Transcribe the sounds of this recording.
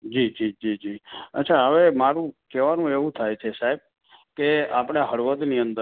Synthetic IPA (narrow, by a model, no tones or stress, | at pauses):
d͡ʒid͡ʒid͡ʒid͡ʒiə̰tːt͡ʃʰaɦəʋemaɾũkɛʋanũeʋũt̪ʰajt͡ʃʰesaɦib̚ | keapɽ̃eɦəɭʋəd̪niənd̪ə